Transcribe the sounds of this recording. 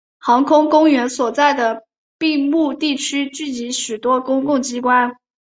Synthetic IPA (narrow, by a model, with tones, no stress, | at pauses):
xɑ˧˥ŋkʰʊ˥ŋkʊ˥ŋɥɛ˧˥nswɔ˨˩t͡sa˥˩ɪd̪ə˩ | pi˥˧mu˥˧t̪i˥˩t͡ɕʰy˥t͡ɕy˥˩t͡ɕi˧˥ɕy˨˩t̪wɔ˥kʊ˥ŋkʊ˥˩ŋt͡ɕi˥kwa˥n